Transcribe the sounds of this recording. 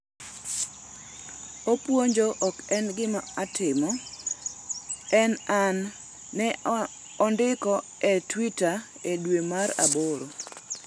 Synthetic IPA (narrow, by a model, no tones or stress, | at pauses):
opwoɲd͡ʒoʔkɛnɡɪmaatɪmɔ | ɛnanː | ɛ | ɔndɪkɔɛtwita | edwemaɾa̰boɾo